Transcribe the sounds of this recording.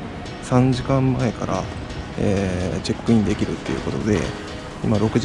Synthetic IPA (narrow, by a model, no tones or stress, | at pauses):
sãɲd͡ʑikãmːae̞kaɾʔa̰ | eːt͡ɕe̞kːɯ̟ĩnd̪e̞kʲiɾɯ̟̰t̪ːe̞jɯ̟̰ko̞t̪o̞̰d̪e̞ | imaɾo̞kɯ̟ʑ